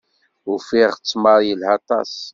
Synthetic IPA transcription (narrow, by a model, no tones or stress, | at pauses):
ʊfiʁt͡sːmɑɾˤjəlhɑt̪ˤɑ̰s